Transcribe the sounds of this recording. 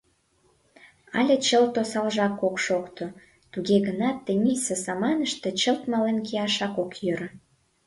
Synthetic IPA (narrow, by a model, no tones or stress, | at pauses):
ɑ̰lʲet͡ɕəlt̪osɑlʒɑkːokʃokt̪o | t̪uɣeɣənɑt̪ːemilʲsesɑmɑnəʃt̪e̽t͡ɕəlt̪mɑlenkejɑʃɑkokjøɾə̆